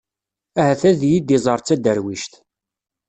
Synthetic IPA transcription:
æhæθæðjid̪izˤəɾˤt͡sːæd̪əɾwiʃt̪

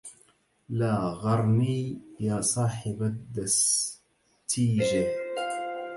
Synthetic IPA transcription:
laːɣɑɾˤniːjaːsˤɑːħɪbad̪as | t̪iːd͡ʒa

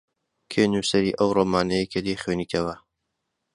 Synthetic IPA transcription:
kʰeːnuːsɐɾiːʔɐwroːmaːnɐjekʰəd̪ixweːniːt̪ʰɐwɐ

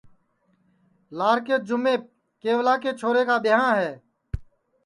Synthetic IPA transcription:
laːɾkeːd͡ʒʊmeː | keːwlaːkeːt͡ʃʰoːɾeːkaːbɪɦãːɦɛː

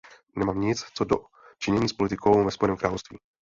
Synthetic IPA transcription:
nɛmaːmɲɪt͡st͡sodo̰ | t͡ʃɪɲɛɲiːspo̞lɪt̪ɪkʰo̞wvɛspo̞jɛnɛːmkɾaːlofst̪vḭː

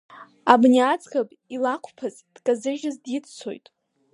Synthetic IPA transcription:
abnʲiat͡sʼɡʼapʼilakʷʰpʰaz | d̥kʼazɨʒʲɨzdjitt͡sʰo̰jtʼ

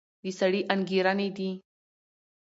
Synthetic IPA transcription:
d̪isaɽiʔanɡiɾaned̪i

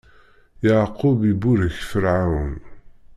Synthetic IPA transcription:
jaʕqubibuɾəçfəɾʕawən

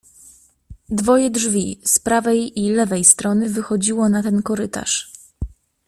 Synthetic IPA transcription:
d̪vɔjɛdʐvʲispɾavɛjilɛvɛjst̪ɾɔnɘvɘxɔd͡ʑiwɔnat̪ɛnkɔɾɘt̪a̰ʂ

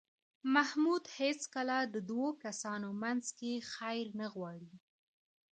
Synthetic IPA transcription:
mahmud̪het͡skəlad̪əd̪wokasɑnomanzkexajɾnəɣwɑɽi

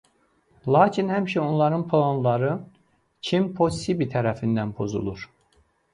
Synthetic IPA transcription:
lˠɑːcʰinhæmiʃæo̞nlˠɑɾɯnpʰlˠonlˠɑɾɯ | cʰimpʰosibit̪ʰæɾæfind̪ænpʰo̞zṵlˠuɾ̥

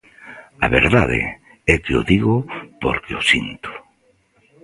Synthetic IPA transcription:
aβeɾðaðḛ | ɛkeoðiɣopoɾkeosint̪ʊ̥

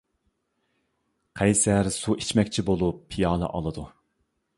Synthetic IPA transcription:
qʰɛjsæɾsuʔit͡ʃʰmɛkʲt͡ʃʰibolˠupʰːijɑːlˠɨ̰ʔɑlˠɨd̪u

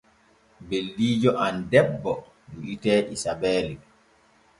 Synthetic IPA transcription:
belːiːd͡ʒɔʔandɛbːɔ | duʔitɛːʔisabɛːli

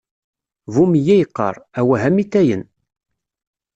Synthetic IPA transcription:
vumjæjqːə̰ɾˤæwæɦæmit̪ːæjən

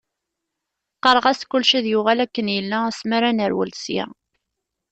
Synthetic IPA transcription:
qːəɾˤʁæskʊlʃiðjʊʁælækːənjəlːææsmaɾænəɾwə̰lsja̰

